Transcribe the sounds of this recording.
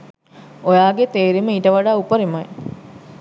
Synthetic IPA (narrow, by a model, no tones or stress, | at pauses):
ojaːɡet̪eːɾiməiʈəʋaɖaːupəɾimaj